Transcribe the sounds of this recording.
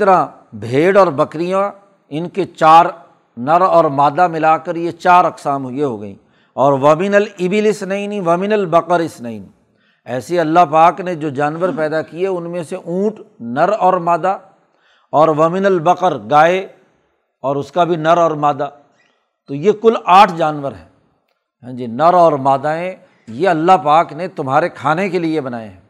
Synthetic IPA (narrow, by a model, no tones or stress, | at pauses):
t̪ɐɾã | bʱeːɽɔːɾbɐkɾijã | ɪnket͡ʃaːɾ | nɐɾɔːɾmaːd̪amɪlakɐɾjet͡ʃaːɾɐqsaːmɦʊjeɦo̰ːɡɐ̰ḭ̃ː | ɔːɾʋɐmɪnəlɪbɪlɪsnɐĩnĩʋɐmɪnəlbɐqəɾɪsnɐḭːni | ɛːseɐlːaɦpaːkned͡ʒoːd͡ʒaːnʋəɾpɛːd̪akiɛʊnmẽseʔũːʈnɐɾɔːɾmaːd̪a | ɔːɾʋɐmɪnəlbɐqəɾɡaːe | ɔːɾʊskabʱinɐɾɔːɾmaːd̪a | t̪ojekʊlaːʈʰd͡ʒaːnʋəɾɦɛ̰ː | ɦɛ̃ːd͡ʒiːnɐɾɔːɾmaːd̪aɦɛ̃ | jeɐlːapaːknet̪ʊmɦaːɾekʰaːnekeliebɐnaːja̰ɦɛː